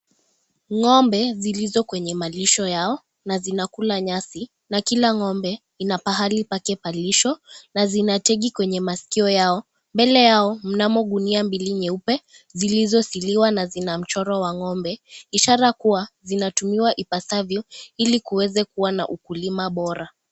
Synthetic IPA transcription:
ŋɔmbɛzilizɔkwɛɲɛmaliʃɔjaɔ | nazinakulaɲasi | nakilaŋɔmbɛ | inapaɦalipakɛpaliʃɔnazinatɛɠikwɛɲɛmasi̥kiɔjaɔ | mbɛlɛjaɔm̩namɔɠuniambiliɲɛupɛ | zilizɔsiliwanazinam̩t͡ʃɔɾɔwaŋɔmbɛiʃaɾakuwazinatumiwaʔipasavjɔilikuwɛzɛkuwana̰ʔukulimaɓɔɾa

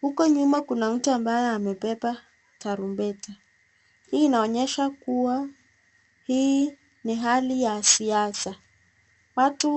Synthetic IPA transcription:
hukɔɲumakunam̩tuambajɛamɛpɛpa | taɾumbɛta | hiːnaɔɲɛʃakuwa | hii | niɦalijasiasa | watu

